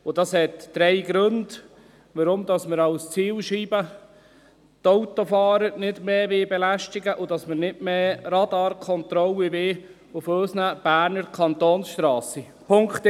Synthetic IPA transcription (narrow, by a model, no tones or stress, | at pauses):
ʊd̥ɑshɛtd̥ɾɛɪɡɾɵnd | ʋəɾʊmdɑsməɾɑwst͡siːlʃiːbə | toʊtofɑːɾəɾnɪdmeːʋɪbɛlæʃtɪɡəʔʊd̥ɑsməɾnɪtmeːɾɑdɑːɾkʰɔnt̪ɾɔliʋeː | ʊføːsnəb̥æːɾnəɾkʰɑnt̪oːnsʃt̪ɾɑːsi | pʰʊŋkt̪